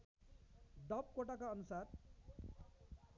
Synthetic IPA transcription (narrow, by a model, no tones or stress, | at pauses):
ɖʌp̚koʈakaʌnusar